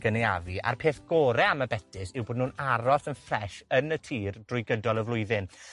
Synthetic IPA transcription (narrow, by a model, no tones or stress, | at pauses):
ɡ̥əneja̰viʔa̰rpʰeːθɡ̥oɾɛaməbɛtʰɪsɪwboːdnuːnaɾɔsənfrɛʃənətʰiːrd̥rʊjɡədɔlˠəvlˠʊɨðɪn